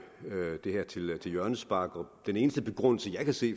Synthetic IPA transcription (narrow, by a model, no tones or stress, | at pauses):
ød̥e̝hɛɐ̰t͡sʰe̝lt͡sʰe̝ljœɐnəsb̥ɑ̈ːɡ̥ɐd̥ene̝ːnəsd̥əb̥e̝ɡ̥ʁɔ̽n̰səjɑ̈ɪkʰæse̝̰ː